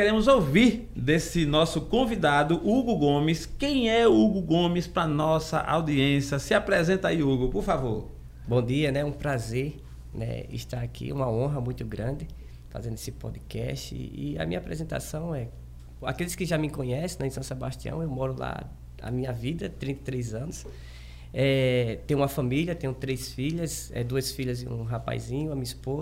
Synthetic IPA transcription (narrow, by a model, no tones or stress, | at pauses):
keɾẽmʊzowviɾ | d̪esɪnɔsʊkõvid̪ad̪ʊʔuɡʊɡõmɪskẽj̃ɛuɡʊɡõmɪspɾɐnɔsɐ̰ʔa̰wd̪iẽsjɐsɪapɾɛzẽnt̪aiuɡʊpoɾfavoɾ | bõd̪iɐnɛũpɾazeɾ | nɛ̰ɪ̰ʃt̪aɾakʰḭũmɐõɦɐmũj̃t̪ʊɡɾɐ̃d̪ɪ | fa̰zẽndʊe̥sɪpɔ̰d̪ɪkɛ̰ʃt̪ɪ̰ḭɐ̰mĩɲɐapɾɛzẽnt̪a̰sɐ̃w̃ɛ | a̰kelɪskɪʒamɪkõɲɛsẽnɛɪ̃sɐ̃sebaʃt̪iɐ̰̃w̃ewmɔɾʊla̰ | a̰mĩɲɐvid̪ɐt̪ɾĩnt̪ɐt̪ɾejzɐ̃nʊs | ɛt̪ẽj̃ũmɐfɐ̃miliɐt̪ẽɲ̃t̪ɾejsfiʎɐsɛ̰d̪uɐsfiʎɐzɪ̃ṵ̃ɦapa̰jzĩɲʊamĩɲɐispoz